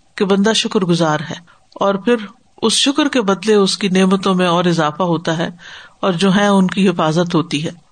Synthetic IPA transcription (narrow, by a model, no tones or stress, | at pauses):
kebɐ̃nd̪aʃʊkɾɡʊzaːɾɦɛː | ɔːɾpʰɪɾ | ʊsʃʊkɾkebɐd̪leʊskineːmət̪õmẽɔːɾɪzaːfaɦoːt̪aɦɛːɔːɾd͡ʒoːɦɛ̃ʊnkiɦɪfaːzət̪ɦoːt̪iɦɛː